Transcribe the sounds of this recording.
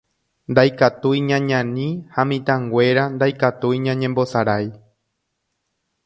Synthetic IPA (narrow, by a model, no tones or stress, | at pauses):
nd̪ajkat̪ujɲãɲãnĩhamĩt̪ãŋɡʷe̞ɾand̪ajkat̪ujɲãɲẽmbo̞saɾaj